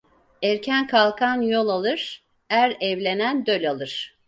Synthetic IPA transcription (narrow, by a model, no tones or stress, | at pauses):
æɾcʰænkʰalˠkʰanjo̞lˠalˠɯɾ̥ | æɾɛvlʲenænd̪ølʲalˠɯɾ̥